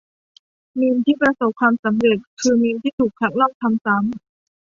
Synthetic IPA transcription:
miː˧nt̪ʰiː˥˩pɾa˧so˨˩p̚kʰwaː˧msa˩˦mɾe˨˩t̪̚kʰɯː˧miː˧nt̪ʰiː˥˩t̪ʰuː˨˩k̚ʰa˧˦˥k̚lɔ˥˩m̚t̪ʰa˧msa˩˦m

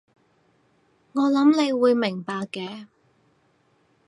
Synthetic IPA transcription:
ŋɔː˨˧lɐ˨˥mle˨˧jwuː˨˧jmɪ˨˩ŋpaː˨˧kːɛː˨˧

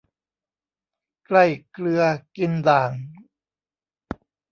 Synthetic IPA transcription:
kla˥˩jklɯ˧ɐki˧ndaː˨˩ŋ

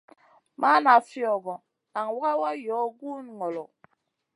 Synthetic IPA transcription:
ma˦na˨fjɔ˨ɡɔ˨ | na˨ŋwa˦a˦wa˦jɔ˨˦ɡu˦n˨ŋɔ˨lɔ˨

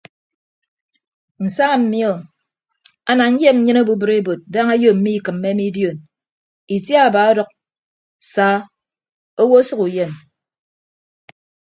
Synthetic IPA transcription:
n̩˨sa˦ŋa˨m̩˨mi˦ɔ˨ | a˨na˨ɲ̩˦je˦m̩˦ɲɨ˦no˦bu˦bɨ˨ɾe˦bo˨t̚da˦ŋa˦jo˦m̩˨˦mi˦i˨kɨ˨m̩ː˦e˦mi˦djo˨n | i˨tja˦a˨baː˨˦o˦dɔ˦k̚ | saː˨˦ | o˦wo˦sʌ˦ku˨je˨n

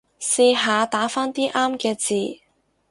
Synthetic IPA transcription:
siː˧ɦaː˨˧t̪aː˨˥faː˥nt̪iː˥ʔaː˥mkɛː˧t͡siː˨˩

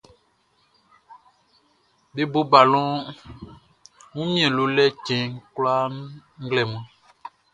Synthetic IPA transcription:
be˦bo˦ba˨lɔ̃˦ | ŋũ˦mĩ˦ɛ̃˨lo˨lɛ˦˨t͡ʃɛ̃˨ŋ˦kla˦ŋ̩˦ɡlɛ˨mã˦

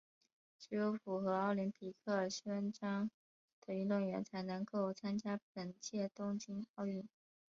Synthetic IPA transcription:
ʈ͡ʂɻ̩˧˥jo˧˥ʊfu˨˩xɤ˧˥ɑ˥˩ʊli˧˥npʰi˨˩kʰɤ˥˩ə˞˨˩ɕɥɛ˥nʈ͡ʂɑ˥ŋ | d̪̥ə˨˩y˧˥˧nlwʊ˥˩ŋɥɛ̰˧˥nt͡sʰa˧˥ɪnɤ˧˥ŋko˥˩ʊt͡sʰa˥nt͡ɕja˥p̚ə˨˩nt͡ɕjɛ˥˩t̪ʊ˥ŋt͡ɕi˧˥nɑ˥˧ʊy˥˩n

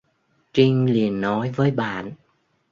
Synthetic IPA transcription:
t͡ɕi˧ŋ̟li˨˩ənːɔ˨˦jvəː˨˦jɓa̰ː˧˨n

